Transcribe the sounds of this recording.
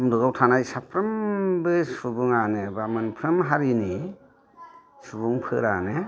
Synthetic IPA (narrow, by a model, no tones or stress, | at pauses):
mduɡawtʰanajsapʰɾɯmbɯsubuŋanɯbamɯnpʰɾɯmɦaɾini | subuŋpʰɯ̰ɾa̰nɯ